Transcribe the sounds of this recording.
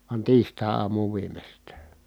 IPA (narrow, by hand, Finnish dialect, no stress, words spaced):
ʋɑn tiːstɑˑi̯ɑːmuːʋ ʋiːmestæː